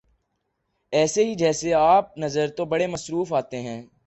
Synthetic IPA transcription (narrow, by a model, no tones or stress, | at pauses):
ɛːseɦid͡ʒɛːseaːp̚nɐzəɾt̪obɐɽemɐsɾuːfaːt̪eɦɛ̃ː